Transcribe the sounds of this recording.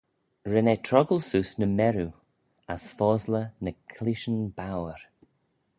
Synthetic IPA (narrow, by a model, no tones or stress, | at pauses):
ɹɛnɛtʰɹɔɡəlsuːsnəmɛɾu | asfɔːzlənəkʰlɪʃənbawəɹ